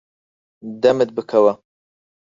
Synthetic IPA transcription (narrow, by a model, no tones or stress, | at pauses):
d̪ɐmɨt̪̚bɨkʰɐwɐ